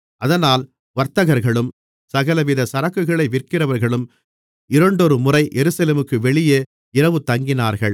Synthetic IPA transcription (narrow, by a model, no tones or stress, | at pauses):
ʔɐðɐnaːl | ʋɐɾt̪ɐɣɐɾɣɐɭɯm | sɐɣɐlɐʋɪðɐsɐɾɐkːɯɣɐɭɐɪʋɪrkɪrɐʋɐɾɣɐɭɯm | ɪɾɐɳɖɔɾɯmʊrɐɪʔɛɾɯsɐleːmɯkːɯʋɛɭɪjeː | ɪɾɐʋɯt̪ːɐŋɡɪnaːɾɣɐɭ